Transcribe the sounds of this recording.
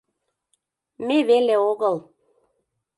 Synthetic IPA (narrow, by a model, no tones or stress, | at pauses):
meʋeleoɡəlˠ